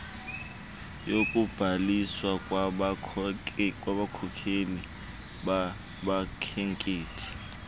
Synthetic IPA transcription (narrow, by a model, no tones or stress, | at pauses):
jokʼub̥ʱaliswakʼw | kʼwaɓakʰɔkʰeli | ɓa | ɓakʰeŋkʼeːtʰi̥